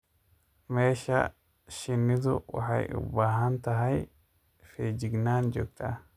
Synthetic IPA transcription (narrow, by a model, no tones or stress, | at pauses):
me̞ːʃːɐ̰ | ʃɪnːɪd̪ʊ̰wɐ̰ħɐ̰jʊ̰bːaːɦɐnt̪ɐɦɐj | feːd͡ʒɪɡnaːnd͡ʒɔk̚t̪ɐ̰